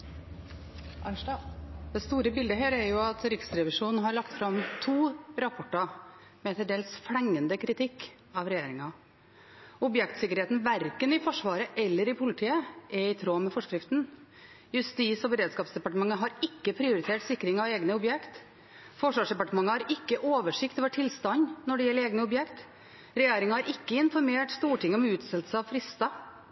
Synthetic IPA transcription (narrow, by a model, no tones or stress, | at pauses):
d̪ɛst̪uːɾəbɪld̪əɦeːɾæɾjʊɑt̪ɾɪksɾɛʋɪʂuːnn̩ɦɑɾɭɑkt̪fɾɑmt̪ʰuːɾɑpʰɔʈːɑ | mɛt̪ʰɛld̪ɖ̪eːlsflɛŋːənd̪əkʰɾɪt̪ʰɪkː | ɑʋɾɛjeːɾɪŋɑ | ʊbjɛkt̪sɪkəɾheːt̪n̩ʋæɾkənɪfɔʂʋɑːɾəʔɛlːəɾɪpʰʊlɪt̪ʰiːəʔɛɪt̪ʰɾoːmɛfɔʂkɾɪft̪n̩ | jʉst̪iːsɔbəɾeːd̪skɑːpsd̪ɛpɑʈəmɑŋːəɦɑɾɪkːəpʰɾɪʊɾɪt̪ʰeːʈsɪkːɾɪŋɑʋeːɡnəʊbjɛkt̪ | fɔʂʋɑːʂd̪ɛpɑʈəmɑŋːəhɑɾɪkːəʔoːʋəʂɪkt̪ɔʋɛʈʰɪlst̪ɑnnɔɖɛjɛlːeːɡnəʊbjɛkt̪ | ɾɛjeːɾɪŋɑæɾɪkːəɪnfɔɾmeːʈst̪uːʈʰɪŋːəɔmʉːt̪sɛlt̪səɑʋfɾɪst̪ɑ